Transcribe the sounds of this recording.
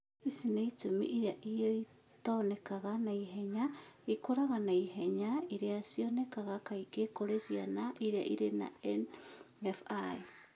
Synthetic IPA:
isineitumḭʔiɾeaʔijoi | taonekaɣanaiɦeɲaikoɾaɣanaiɦeɲaiɾeasionekaɣakaikekoɾesjanaʔiɾea̰ʔiɾena̰ɛn | efai

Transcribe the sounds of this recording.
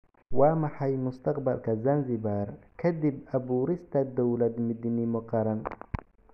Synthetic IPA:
waːmɐħajmʊst̪ʰɐqbɐlkʰɐzanzɪbaɾkʰɐd̪ɪbɐbuːɾɪst̪ʰɐd̪ɔwlɐd̪mɪd̪nɪmʊqɑɾɐn

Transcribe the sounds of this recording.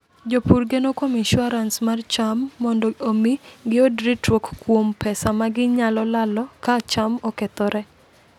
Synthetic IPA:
d͡ʒopurɡenokomiʃwaɾansmart͡ʃamːɔndɔomiɡɪodɾitokːwompɛsamaɡɪɲalɔlalɔkat͡ʃamɔkɛt̪ɔɾɛ

